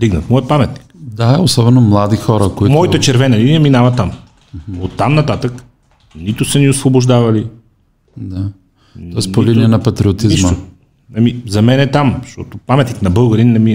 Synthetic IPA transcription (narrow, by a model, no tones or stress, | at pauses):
d̪iɡnət̪mɔjət̪̚pamɛt̪ni̥kd̪aosɔbɛnomlˠad̪ixɔɾəkoitmɔit̪ət͡ʃɛɾvɛnɐlinijəminavɐt̪ːam | ot̪ːamnɐt̪at̪ək | nit̪ʊsəniosvoboʒd̪avɐli | d̪a | ɔɛspoliniɛnɐpɐt̪ɾiot̪inziʃməo | nɐmizɐmɛnɛt̪amʃt̪ɔ̰t̪opamɛt̪niknɐbɤlˠɡəɾinɛmi